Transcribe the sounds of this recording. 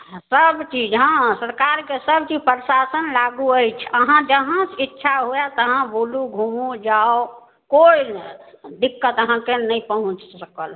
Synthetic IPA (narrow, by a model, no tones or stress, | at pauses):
səbt͡ʃid͡ʒɦãsəɾkaɾkesəbt͡ʃid͡ʒpɾsasənlaɡuəjt͡ʃʰəɦãd͡ʒəɦãsitːʃʰaɦujat̪əɦãboluɡʱumod͡ʒao | koi | d̪ikːət̪əɦãkenəipəɦũt͡ʃsəkəl